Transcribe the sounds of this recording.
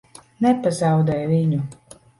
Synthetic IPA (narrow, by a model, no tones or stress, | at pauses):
nɛpazawd̪ɛjviɲu